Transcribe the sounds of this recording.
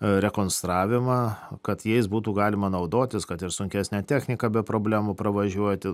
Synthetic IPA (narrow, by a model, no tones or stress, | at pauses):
ɾʲɛkoːnst̪ɾɑːʋʲɪmɑkɐt̪jɛɪsbuːt̪uːɡɑːlʲɪmɐnɐʊd̪oːt̪ʲɪskɐt̪ɪɾsʊŋʲkʲæːsʲnʲæt̪ʲæːxʲnʲɪkɑbʲɛpɾoːbʲlʲæːmuːpɾɐʋɐʒʲuɔt̪ʲɪ